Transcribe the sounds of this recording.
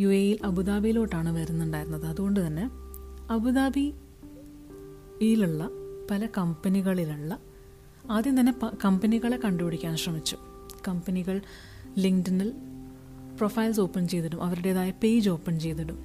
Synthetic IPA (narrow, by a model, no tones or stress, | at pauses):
juejilɐbuðaːbijiloːʈːaːɳɨʋɐɾunːuɳɖaːjiɾunːɐðɨɐðuɣo̞ɳɖɨt̪ɐnːe̞ɐbuðaːbi | jiluɭːɐpɐlɐkɐmpɐniɣɐɭiluɭːɐ | aːd̪jɐmt̪̬ɐnːe̞pɐkɐmpɐniɣɐɭe̞kɐɳɖubiɽikʲːaːnɕrɐmit͡ɕːu̥ | kɐmpɐniɣɐɭ | liŋdinɐl | profɐjls̬o̞ːpːɐnt͡ɕe̞jt̪ːɐɽumʔɐʋɐɾuɽeːðaːjɐpejd͡ʑo̞ːpːɐnt͡ɕe̞jt̪ːɐɽum